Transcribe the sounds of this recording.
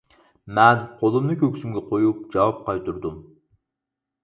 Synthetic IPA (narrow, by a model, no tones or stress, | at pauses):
mɛnqʰolˠumnɨkʲøkʲsymɡʲɛqʰojup̚d͡ʒɑwɑp̚qɑjt̪uɾd̪ʊm